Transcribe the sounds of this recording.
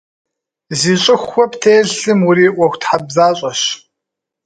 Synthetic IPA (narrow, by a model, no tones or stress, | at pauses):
ziːɕʼɪxʷːɔptʰeːɮɬɨmʊɾiːʔʷɔxʷtħabzaːɕʼɐɕ